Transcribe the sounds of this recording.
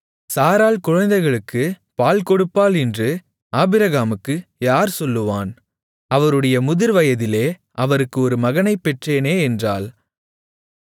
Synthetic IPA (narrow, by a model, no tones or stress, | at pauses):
saːɾaːlkʊɻɐnd̪ɐɪɣɐɭɯkːɯ | paːlkɔɽɯpːaːlɪndrɯ | paːbɪɾɐɣaːmɯkːɯjaːɾsɔlːɯʋaːn | ɐʋɐɾɯɽɐjɐmʊðɪɾʋɐjɐðɪleː | ʔɐʋɐɾɯkːɯɔɾɯmɐɣɐnɐɪpːɛʈreːneːɛndraːl